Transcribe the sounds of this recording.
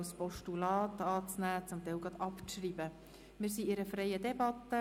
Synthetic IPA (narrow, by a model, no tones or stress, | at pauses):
spɔʃtulɑːtɑːt͡snæːt͡sʊmt̪ɛɪlɡʁɑd̪ɑpʃriːbə | mɪːɾsiɪɾəfɾɛɪəd̪ɛbɑt̪ːə